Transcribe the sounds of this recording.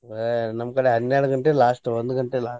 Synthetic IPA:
nɐmːɐkɐɽeɦɐnːaːɽuɡɐɳʈelaːsʈond̪uɡɐɳʈelaː

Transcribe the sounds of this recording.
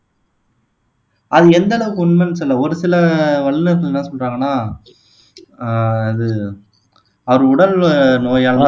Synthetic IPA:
ɐðɯɛnd̪ɐɭɐʋɯkːɯʊɳmɐnːsɔlːɐɔɾɯsɪlɐʋɐɭːɯnɯɾkɐlnːãːsɔnraːŋɡɐnːaː | ɐðɯ | ɐʋɐɾɯʊɽɐlnoːjaːlɐ

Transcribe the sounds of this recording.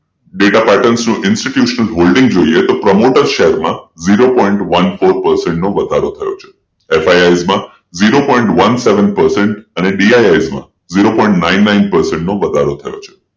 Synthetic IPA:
ɖeʈapɛʈənsnũʔɪnsʈiʈjuʃnəlɦolɖɪ̃ŋɡd͡ʒoiet̪opɾəmoʈəɾʃeɦəɾmã̰ziɾopɔiɳʈʋənfoɾpəɾsẽɳʈnoʋəd̪ʱaɾot̪ʰəjo̰t͡ʃʰe̥ | efajajzmã | ziɾopɔ̃iɳʈʋənseʋənpəɾseɳʈəneɖiajajzmã̰ | ziɾopɔ̃ĩɳʈnainːaɪnpəɾsẽɳʈnoʋəd̪ʱaɾot̪ʰəjo̰t͡ʃʰe̥

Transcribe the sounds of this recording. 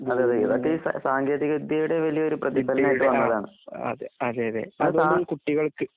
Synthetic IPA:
ɐðeɐðeɡibɐʈːɐiːsɐ̰saːŋɡe̞ːðiɣɐud̪jɐjuɽe̞ʋɐlijɐo̞ɾuprɐðibʱɐlɐnaːjiʈːɨʋɐnːɐðaːɳɨɐ̰ðeɐðeːɐðḛːɐaːmkuʈːiɣɐɭkɨ

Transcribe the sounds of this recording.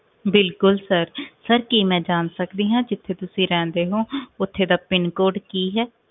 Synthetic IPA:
bɪlkʊlsəɾsəɾkiːmɛ̃ːd͡ʒaːnsəkd̪iːɦãːd͡ʒɪt̪ʰːeːt̪ʊsĩːɾɛ̃ːnd̪eːɦõːʊt̪ʰːeːd̪aːpɪnkoːɖkiːɦɛː

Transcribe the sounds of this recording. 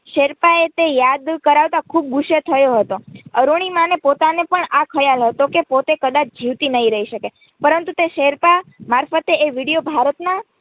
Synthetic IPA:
ʃeɾpaet̪ejad̪kəɾaʋt̪akʰub̚ɡuʃet̪ʰəjoɦət̪oəɾuɽ̃imanepot̪anepəɳakʰəjalɦət̪okepot̪ekəd̪at͡ʃʰd͡ʒiʋt̪inəɦiɾəɦiʃəke | pəɾənt̪ut̪eʃeɾpamaɾfət̪eeʋiɽijobʱaɾət̪na

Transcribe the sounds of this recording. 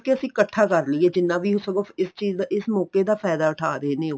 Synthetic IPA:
keəsĩːkəʈʰːaːkəɾliːɛːd͡ʒɪnːãːʋiːɦʊsəɡoɪst͡ʃiːzd̪aʔɪsmɔːkeːd̪aːpʰɛːd̪aːʊʈʰa̰ːɾeːnẽː

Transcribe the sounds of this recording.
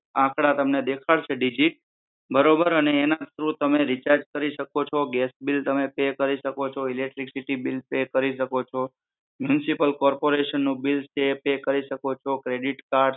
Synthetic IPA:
ãkʰɽat̪əmned̪ekʰaɭt͡ʃʰeɖid͡ʒiʈ̚ | bəɾobəɾəneːnad͡ʒ̪sɾũt̪əmeɾit͡ʃaɾd͡ʒkəɾiʃəkot͡ʃʰɔɡɛsbilt̪əmepekəɾiʃəkot͡ʃʰɔilek̚ʈɾiksiʈibilpekəɾiʃəkot͡ʃʰɔ | mjunsipəlkɔɾpoɾeʃənːũbilt͡ʃepekəɾiʃəkot͡ʃʰɔkɾeɖiʈkaɾɖ

